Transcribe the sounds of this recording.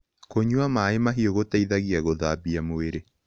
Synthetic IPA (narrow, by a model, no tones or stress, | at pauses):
koɲwamaːemaɦioɣotaiðaɣiaɣoðabiamoeɾe